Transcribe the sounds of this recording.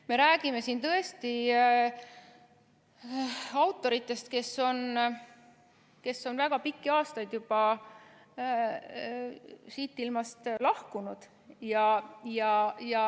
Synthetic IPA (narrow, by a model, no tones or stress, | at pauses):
me̞ɾæːɡ̥ime̞sint̪ɤ̞e̞st̪i | ɑwt̪ːˑo̞ɾit̪ːˑe̞st̪ke̞so̞n | ke̞sːo̞nvæɡ̥ɑpikːiɑːst̪ɑjd̪̥jub̥ɑ | siːt̪ˑːilmɑst̪lɑhkunud̪̥ | jɑjɑjɑ